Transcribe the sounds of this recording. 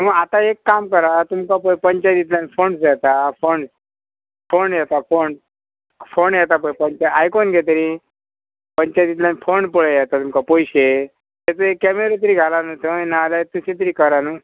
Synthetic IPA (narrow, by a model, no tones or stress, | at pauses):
t̪məɡat̪aekːamkəɾat̪umkapəjpəɲt͡ɕajt̪it̪̬lanfonsd͡zat̪afoɳs | fonjɛt̪afon | fonjɛt̪ap̬əjpəɲt͡ɕaajkonɡʱet̪əɾi | pəɲt͡ɕajt̪it̪lanfonpəɭəjɛt̪at̪umkapojɕe | t̪ɛt͡səekːɛmeɾet̪̬əɾiːɡʱalanot̪ʰənalat̪uset̪əɾiːkəɾanu